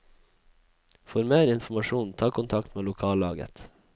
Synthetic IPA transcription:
fɔɾmeːɾɪnfmɑʃuːnt̪ʰɑːkʰʊnt̪ʰɑkt̪meːlʊkʰɑːlɑ̰ːɡə̰t̪

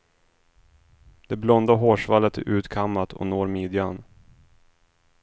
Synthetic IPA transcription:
d̪̥ɛblɔnd̪aɦoːʂvalːət̪ʰːɪ̰ʔʉ̟ːt̪kʰamːat̪ʰɔ̰noːɾmiːd̪jan

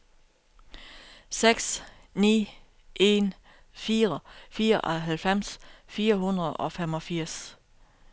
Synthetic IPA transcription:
seɡ̥s | nḭː | ʔe̝n | fiːʁɐfiːɐʔɒ̽ɦælfem̰sfiːɐɦunʁɐð̩ˠɒ̽femɒ̽fiɐ̰s

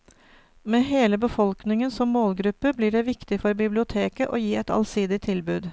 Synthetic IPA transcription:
meːɦeːləbəfɔlknɪŋənsɔmːoːlɡɾʉpːəbliːɖɛːʋɪkt̪ɪfɔɾbɪblɪʊt̪ʰeːkəʔoːjiːɛt̪ɑ̰lsiːd̪ɪt̪ʰːɪlbʉːd̪

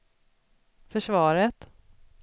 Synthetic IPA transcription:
fœʂvɑːɾət̪

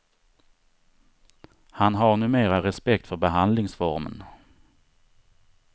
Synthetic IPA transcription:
hanɦaɾnʉ̟ːmeːɾaɾɛspɛkt̪fœɾbɛɦand̪lɪŋsfɔɾmə̰n

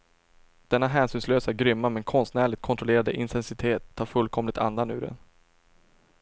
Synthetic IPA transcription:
d̪̥ɛnːaɦæːnsʏːnsløːsæɾɡɾʏmːamɛnkʰɔnst̪næːɭɪt̪̚kʰɔnt̪ɾɔleːɾad̪əʔɪnt̪ʰɛnsɪt̪ʰeːt̪ʰːɑːɾfɵlːkʰɔmlɪt̪ʰa̰nd̪anʉ̟ːɾɛ̰n

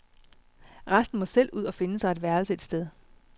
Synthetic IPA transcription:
ʁasd̥n̩mɒ̽sel̰uð̰ˠɒ̽fe̝nəsɑ̈ɪed̥ʋæɐl̩səe̝d̥sd̥eð̞ˠ

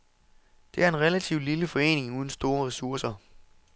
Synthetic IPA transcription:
d̥e̝æɐe̝nʁɛlæt͡sʰiʊd̥liləfɒ̽e̝̰ːne̝ŋuːð̞ˠn̩sd̥o̝ːɐʁɛsuɐsɐ

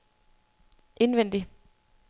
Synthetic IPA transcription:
ʔe̝nʋen̰d̥i

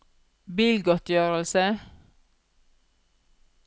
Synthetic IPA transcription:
biːlɡɔt̪jøːʁəlsə

